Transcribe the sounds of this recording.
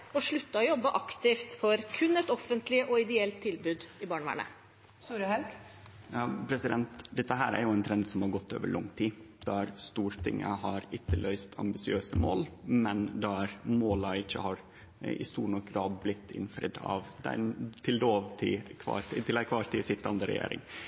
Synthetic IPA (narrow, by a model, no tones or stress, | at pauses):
ɔʂɭʉt̪ːɑɔjɔbːəʔɑkt̪ɪft̪fɔɾkʰʉnɛt̪ɔfənt̪lɪəʔɔɪd̪ɛɛlt̪ʰːɪlbʉːd̪ɪbɑːɳəʋæ̰ːɳə̰ | suːɾəhɑlk | ɑpʰɾɛsɪd̪ɛnt̪d̪ɛt̪ːəɦæːɾæ̰ɾjʊɛɪnt̪ʰɾɛnd̪sɔmhɑɾɡɔt̪ʰːo̰ːʋəɭʔɔŋːt̪ʰiː | d̪̥æɾst̪uːɾt̪ʰɪ̰ŋːə̰hɑɾʏt̪ːəlʔœʏst̪ʰɑ̰mbɪsɪøːsəmo̰ːlmɛnd̪ɑæɾmoːlɑɪçːə̰hɑɾ | ɪ̰st̪uːɳɔkːɾɑːdblɪt̪ʰːɪ̰nfɾɪ̰d̪ɑ̰ʋd̪ɛ̰nt̪ʰɪld̪oːʋt̪ʰɪkʰʋɑ̰ɾt̪ʰɪt̪ɪlækʰʋɑːɾt̪ʰɪsɪt̪ːɑnd̪əɾɛ̰jḛːɾɪ̰ŋ